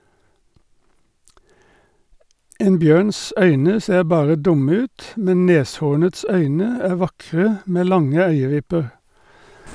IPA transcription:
ˈeːn ˈbjøːns ˈœʏnə ˈseːʁ ˈbɑːʁə ˈdʊmə ˈʉːt ˈmɛn ˈneːsˌhuːɳəts ˈœʏnə ˈæː ˈʋɑkʁə ˈmeː ˈlɑŋə ˈœʏəˌʋɪpəʁ

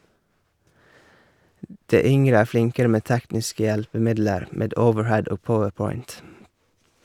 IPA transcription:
ˈdeː ˈʏŋɾə ˈæː ˈflɪŋkəɾə ˈmeː ˈtæknɪskə ˈjælpəˌmɪdləɾ ˈmeːd ˈəʊʋəɹˌhɛd ˈoːɡ ˈpɔʋəɹˌpɔʏnt

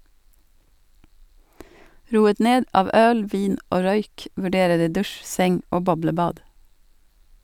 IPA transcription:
ˈɾuːət ˈneːd ˈɑːʋ ˈœl ˈʋiːn ˈoː ˈɾœʏk ʋʉˈɖeːɾə ˈdiː ˈdʉʃ ˈsɛŋ ˈoː ˈbɔbləˌbɑːd

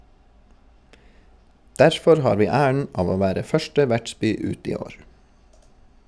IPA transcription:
ˈdæɾfɔɾ ˈhɑːɾ ˈʋiː ˈæːəɳ ˈɑːʋ ˈoː ˈʋæːɾə ˈfœʃʈə ˈʋæʈˌsbyː ˈʉːt ˈiː ˈoːɹ

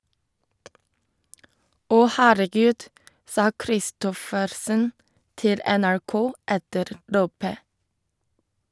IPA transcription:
ˈɔ ˈhæːɾəˌɡʉːd ˈsɑː kɾɪˈstɔfəɾsən ˈtɪl ɛnæɹˈkoː ˈɛtəɾ ˈloːpə

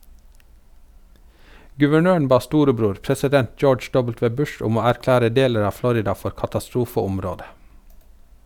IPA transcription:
ɡʉʋəˈɳøːɳ̩ ˈbɑː ˈstuːɾəˌbɾuːɾ pɾɛsɪˈdɛnt ˈd͡ʒoːd͡ʒ ˈɖɔbəlˌtʋeː ˈbʉʃ ˈʊm ˈoː æɾˈklæːɾə ˈdeːləɾ ˈɑː ˈflɔɾɪdɑ ˈfɔɾ kɑtɑˈstɾuːfəʊmˌɾoːdə

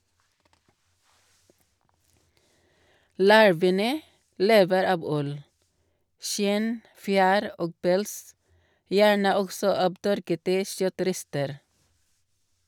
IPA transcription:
ˈlɑɹʋənə ˈleːʋəɾ ˈɑb ˈʉl ˈʃɪn ˈfjæːɾ ˈoːɡ ˈpɛls ˈjæːɳə ˈɔɡsɔ ˈɑːb ˈtœɾkətə ˈʃœˌtɾɛstəɾ

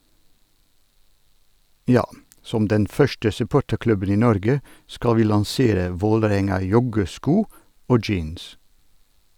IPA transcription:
ˈjɑː ˈsɔm ˈdɛn ˈfœʃtə sʉˈpoːʈəɾˌklʉbən ˈiː ˈnɔɾɡə ˈskɑl ˈʋiː lɑŋˈseːɾə ˈʋoːləˌɾɛŋɑˌjɔɡəˌskuː ˈoː ˈd͡ʒiːns

